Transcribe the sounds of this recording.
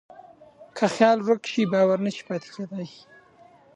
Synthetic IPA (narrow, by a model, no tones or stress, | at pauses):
kʰaxjɑlɾʊkʃibɑwaɾnəʃi̥pɑt̪e̥ked̪aj